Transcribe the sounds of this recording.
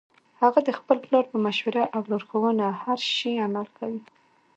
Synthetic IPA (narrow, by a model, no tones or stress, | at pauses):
haɣad̪əxpəlplɑɾpəmaʃwaɾaʔawloɾxawənahaɾʃiamalkʰawi